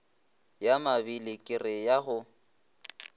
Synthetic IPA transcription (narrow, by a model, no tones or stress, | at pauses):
jamabilɪkʼɪrɪjaɣʊ